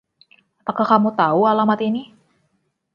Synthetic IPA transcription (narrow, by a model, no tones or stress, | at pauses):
apakahkamut̪aualamat̪ini